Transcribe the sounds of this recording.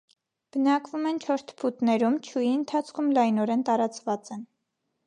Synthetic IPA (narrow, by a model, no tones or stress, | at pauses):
b̥ənɑkvumɛnt͡ʃʰɔɾt̪ʰpʰut̪nɛɾumt͡ʃʰujiənt̪ʰɑt͡sʰkʰumlɑjnɔɾɛnt̪ɑɾɑt͡svɑt͡sɛn